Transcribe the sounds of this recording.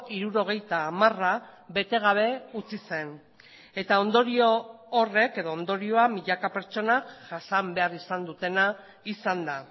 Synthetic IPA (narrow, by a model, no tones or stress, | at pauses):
iɾuɾo̞ɣ̞e̞jt̪aːmaraβe̞t̪e̞ɣ̞aβ̞e̞ut͡sise̞n | e̞t̪ao̞nd̪o̞ɾio̞ːre̞ke̞ðo̞ːnd̪o̞ɾio̞amiʎakape̞ɾt͡ʃo̞nakʝasambe̞arisand̪ut̪e̞na | isand̪a